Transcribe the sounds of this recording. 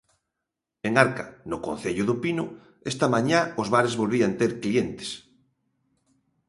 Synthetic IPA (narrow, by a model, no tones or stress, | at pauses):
eŋaɾkanʊko̰n̟θeʎʊðʊpinʊ | est̪amãɲaozβaɾezβolβiant̪eɾklient̪e̥s